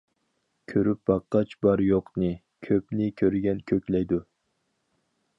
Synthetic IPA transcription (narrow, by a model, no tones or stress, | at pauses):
kʲʰøɾyp̚bɑqːɑt͡ʃbɑɾjoqnɨ | kʲʰøpnɪkʲʰøɾɡʲɛnkʲʰøkʲlɛjd̪u